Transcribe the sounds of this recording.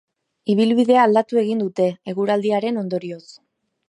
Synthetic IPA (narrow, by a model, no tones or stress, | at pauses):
iβ̞ilβiðe̞aːld̪at̪ue̞ɣ̞ind̪ut̪e̞ːɣuɾald̪iaɾe̞no̞nd̪o̞ɾio̞s